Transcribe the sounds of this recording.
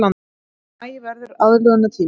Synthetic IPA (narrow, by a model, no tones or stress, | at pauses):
lan | ajɪvɛɾðʏɾaðlœɣanat̪ʰiː